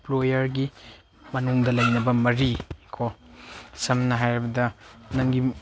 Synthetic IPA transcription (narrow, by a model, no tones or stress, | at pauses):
plojɐɾɡi | mɐnuŋdɐlɐjnɐbɐmɐɾikʰo | sɐmnɐɦajɾɐbɐdɐnɐŋɡi